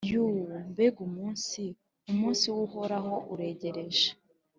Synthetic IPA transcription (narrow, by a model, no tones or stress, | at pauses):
juwmbeɡumuːnsi | umuːnsiwuhoɾaɦo̞ʔuɾe̞ɟe̞ɾe̞ʒḁ